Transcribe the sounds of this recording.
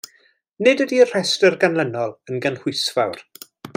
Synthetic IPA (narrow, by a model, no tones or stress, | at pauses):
nɪdədiər̥ɛstərɡanlənɔlˠənɡənhʊsvawr